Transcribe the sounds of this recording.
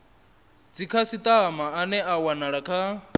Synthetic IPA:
d͡zikʰasit̪ʼamaːnɛʔawanaɺakʰa

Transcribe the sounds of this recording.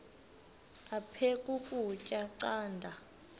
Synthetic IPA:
apʰekʼukʼut͡ʃʼaǀaːndʱa

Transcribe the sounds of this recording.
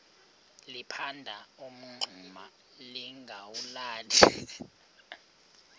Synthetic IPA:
lipʰandʱaum̩ŋ͡ǃʱuma | liŋɡʱawulaːdʰʱi

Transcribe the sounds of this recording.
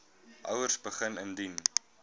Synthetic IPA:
ʔɐwərsbəχənəndin

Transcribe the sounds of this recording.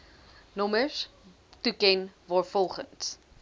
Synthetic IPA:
nɔməs | tukɛnvɑːɹfɔlˠχəns

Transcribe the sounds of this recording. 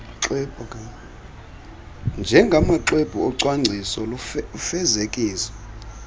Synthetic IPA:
ǁɛb̥ʱɔkʼa | nd͡ʒʱɛŋɡʱamaǁeb̥ʱuɔǀwaŋ͡ǀʱisɔlfɛzekʼiːsɔ̥

